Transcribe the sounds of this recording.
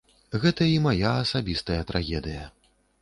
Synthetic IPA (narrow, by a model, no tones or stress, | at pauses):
ɣɛt̪ɐimajaːsabʲist̪ɐjɐt̪ɾʔaɣʲɛd̪ɨjɐ